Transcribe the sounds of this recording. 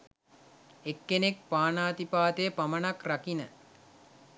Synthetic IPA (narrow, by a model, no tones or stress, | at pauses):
ekːenek̚paːnaːt̪ipaːt̪ejpamənakrakinə